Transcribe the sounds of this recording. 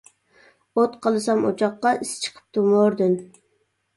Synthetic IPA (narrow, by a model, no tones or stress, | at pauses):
ot̪qʰɑlˠɨsɑmo̰t͡ʃʰɑqːɑist͡ʃʰə̥qʰə̥p̚t̪ʰumoɾd̪ɨn